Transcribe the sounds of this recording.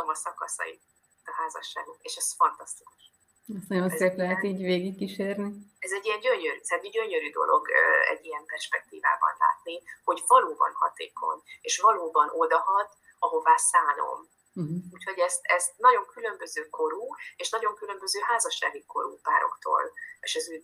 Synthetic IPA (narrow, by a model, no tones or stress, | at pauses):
mɒsɒkɒsɒ̰i | t̪ɒɦaːzɒ̰ʃːa̰ːɡok̪eːʃɛzfɒnt̪ɒst̪i̥kuʃ | ɛst̪nɒɟo̞nseːplɛɦɛt̪iːɟveːɡikːiʃeːrniɛzɛɟːijɛɲɟøɲøɾyt̪ɦat̪ɛɟɟøɲøɾyːd̪o̞̰lʔo̞̰ɡɛ̰ɟːijɛmpɛrʃpɛk̚t̪iːva̰ːbɒ̰nla̰ːt̪niho̞ɟvɒloːbɒ̰nhɒ̰t̪ḛːkʰo̞̰ɲeːʃvɒloːbɒnʔo̞d̪ɒɦɒd̪ | ɒɦo̞vaːsaːlo̞̰m̩ | ɦ̩uːcho̞ɟɛst̪ɛst̪̚nɒɟo̞ŋkylømbøzøːko̞ɾuːeːʃnɒɟo̞ŋkylø̞mbø̞zøːɦaːzɒʃːaːɡiko̞̰ɾṵːpa̰ːɾo̞̰kt̪o̰ːleːʃɛzyː